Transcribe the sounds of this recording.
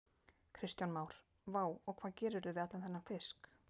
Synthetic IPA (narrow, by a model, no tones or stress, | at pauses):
kʰɾɪst̪janmaːwɾ̥ | vaːwɔɣkʰvaːðcɛːɾɪɾðʏvɪðat̪lanθɛnːamfɪsk